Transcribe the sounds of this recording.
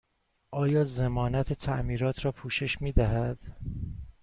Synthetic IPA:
ʔɒːjɒːzemɒːnæt̪ʰet̪ʰæʔmiːɾɒːt̪ʰɾɒːpʰuːʃe̞ʃmiːd̪æɦæd̪̥

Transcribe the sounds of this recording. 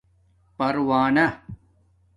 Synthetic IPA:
pɐɾwaːnɐ

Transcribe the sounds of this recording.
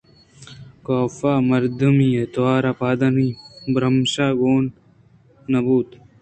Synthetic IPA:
koːfaːmɐɾd̪ɐmiːet̪waːɾapaːd̪ɐnibɾɐmɕaːɡoːn | nɐbuːt̪

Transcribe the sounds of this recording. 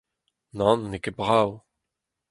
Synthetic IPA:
nɑ̃nːekebʁaw

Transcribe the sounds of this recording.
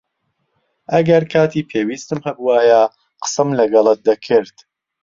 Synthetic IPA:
ʔɐɡɐɾkʰaːt̪ʰiːpʰeːwiːst̪ɨmhɐbuwaːja | qɨ̥sɨmlɐɡɐlˠɨt̪̚d̪ɐkʰɨɾt̪

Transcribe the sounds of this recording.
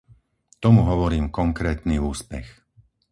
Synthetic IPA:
t̪ɔmuɦɔʋɔɾiːmkɔŋkɾɛːt̪niuːspɛ̰x

